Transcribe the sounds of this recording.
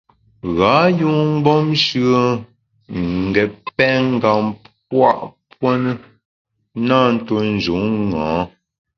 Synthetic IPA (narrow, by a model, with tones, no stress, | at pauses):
ɣa˨˦ju˦ŋ̩˦ɡ͡bɔ˦mʃɰə˦ | ŋ̩˨ɡɛ˨pɛ˦ŋ˦˨ɡa˨mp̚ | wa˦˨ʔpwə˦nə˦ | na˦˨n̩˦to˦n̩˨d͡ʒu˨˦ŋːãː˨˦